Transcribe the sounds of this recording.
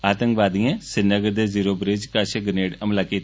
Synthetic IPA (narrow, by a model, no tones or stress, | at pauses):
aːt̪əŋkʋaːd̪ijãːsɪnːəɡəɾd̪eːziːɾoːbɾɪd͡ʒkaːʃeɡəneːɽəmlaːkiːt̪